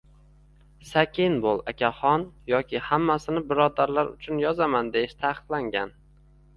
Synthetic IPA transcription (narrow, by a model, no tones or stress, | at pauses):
sakʲʰɪnbolˠakʲaχɒnjɒkʲʰɪhamːasɪnɪbɪɾɒd̪aɾlaɾʊ̰t͡ʃʰʊnjɒzamand̪e̞jɪʃt̪ʰaqʰɨ̥q̪lˠaŋɡʲan